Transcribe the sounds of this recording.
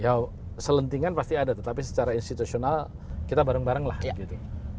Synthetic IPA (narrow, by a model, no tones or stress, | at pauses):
jaw | sələnt̪iŋanpast̪iadat̪ət̪apisə̥t͡ʃaɾainst̪it̪usional | kit̪abaɾəŋbaɾəŋlahɡit̪u